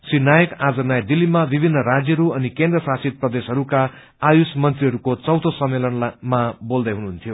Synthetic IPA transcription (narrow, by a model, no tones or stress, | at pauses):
sinajʌkad͡zʌnajd̪ilːimabibʱinːʌɾad͡zjʌɾuʌnikend̪rʌsasit̪̚prʌd̪esɦʌɾuka | ajusmʌnt̪riɦʌɾukot͡sʌwt̪ʰosʌmːelʌnlmabold̪ʌjɦunuɦunt̪ʰjo